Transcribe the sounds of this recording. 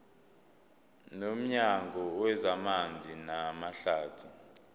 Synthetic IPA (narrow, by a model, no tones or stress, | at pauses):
nom̩ɲaŋɔwɛzamand͡zʱinamaɬaːtʰu